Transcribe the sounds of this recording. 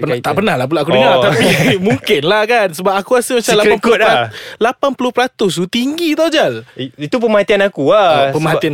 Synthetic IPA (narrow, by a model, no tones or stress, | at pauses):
ənat̪aʔpənahlahp̬ulaʔakudəŋat̪apimuŋkɪnlahkansəbap̚akuasəmat͡ʃamlapanpuʊalapanpulʊhpɾat̪ʊs̬ut̪iŋɡit̪ad͡ʒalit̪upəmat̪ianakuapəmaian